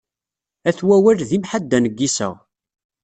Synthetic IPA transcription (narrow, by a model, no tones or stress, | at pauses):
æθwæwælðimħad̪ːænəɡːisə̰ʁ